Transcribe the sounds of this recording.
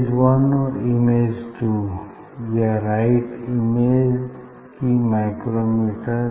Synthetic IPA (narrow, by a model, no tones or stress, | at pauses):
zwʌnɔɾimed͡ʒʈu | jəɾaɪʈimed͡ʒ | kimaɪkɾomiʈə